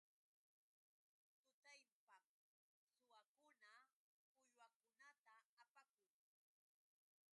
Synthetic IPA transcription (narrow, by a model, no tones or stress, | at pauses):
t̪ʊt̪ajpa | sʊwakʊna | pʊjwakʊnat̪aːpakʊŋ